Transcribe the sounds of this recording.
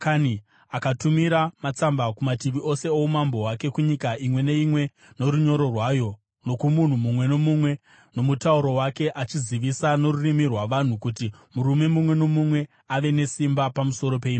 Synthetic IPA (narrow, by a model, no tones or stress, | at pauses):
kani | akatumiɾamat͡sambakumatiʋio̞se̞oumambo̞wake̞kuɲikaimwe̞ne̞imwe̞ | no̞ɾuɲo̞ɾo̞rwaːjo̞ | no̞kumun̤umumwe̞no̞mumwe̞ | no̞mutauɾo̞wake̞ʔat͡ʃiziʋisano̞rurimirwaʋan̤ukutimuɾume̞mumwe̞no̞mumwe̞ | aʋe̞ne̞simbapamuso̞ɾo̞p̬e̞iːma